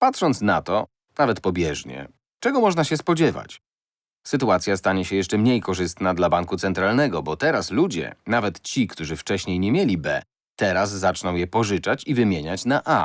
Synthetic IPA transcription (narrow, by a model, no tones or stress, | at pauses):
pat̪ʂɔnt̪snat̪ɔ | navɛt̪pɔbʲjɛʐɲɛ̰ | t͡ʂɛɡɔmɔʐnaɕɛspɔd͡ʑɛva̰t͡ɕ | sɘt̪uat̪sʲjast̪aɲɛɕɛjɛʂt͡ʂɛmɲejkɔʐɘst̪nad̪labaŋkut̪sɛnt̪ɾalnɛɡɔbɔt̪ɛɾaslud͡ʑɛ̰navɛt̪t͡ɕikt̪uʐɘft͡ʂɛɕɲejɲemʲjelʲibɛ̰ | t̪ɛɾasːat͡ʂnɔ̃w̃jɛpɔʐɘt͡ʂat͡ɕivɘmʲjeɲat͡ɕnaʔa